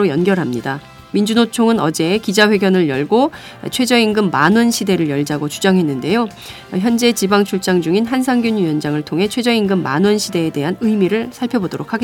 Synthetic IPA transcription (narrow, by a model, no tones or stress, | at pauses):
ojʌnɡjʌɾɦamɲida | mind͡ʑunot͡ɕʰoŋɯnʌd͡ʑe̞kid͡ʑaɸwe̞ɡjʌnɯɭjʌɭɡo̰ | t͡ɕʰwe̞d͡ʑʌinɡɯmːanʌnɕʰide̞ɾɯɭjʌɭd͡ʑaɡot͡ɕud͡ʑaŋɦe̞nːɯnde̞jo | çjʌnd͡ʑe̞t͡ɕibaŋt͡ɕʰuɭt͡ɕ͈aŋd͡ʑuŋinɦansʰaŋɡjuɲɥujʌnd͡ʑaŋɯɭtʰoŋɦe̞t͡ɕʰwe̞d͡ʑʌinɡɯmːa̰nɯnɕʰide̞ːde̞ɦanɯjmiɾɯɭsʰaɭpʰjʌbodoɾokʰaɡe